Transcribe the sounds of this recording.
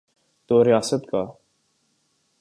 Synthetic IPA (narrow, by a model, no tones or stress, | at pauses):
t̪oːɾɪjaːsət̪kaː